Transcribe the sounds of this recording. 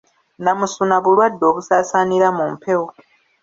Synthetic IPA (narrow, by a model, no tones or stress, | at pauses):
namusunaβulwadːo̞ːβusaːsaːniɾamumpʰe̞wo